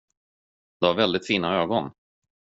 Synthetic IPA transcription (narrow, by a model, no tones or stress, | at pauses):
d̪̥ɛhaɾvɛld̪ɪt̪fiːnaøːɡɔn